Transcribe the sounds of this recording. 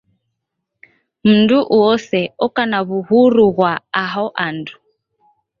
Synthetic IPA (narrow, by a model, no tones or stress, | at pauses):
m̩nduʔuɔsɛɔkanaβuhuɾuɣwaaɦɔʔandu